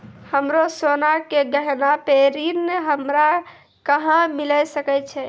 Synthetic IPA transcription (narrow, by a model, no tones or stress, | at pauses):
həmɾosonakeɡəɦnapeɾinɦəmɾa | kəɦãmiləsəkɛt͡ʃʰɛ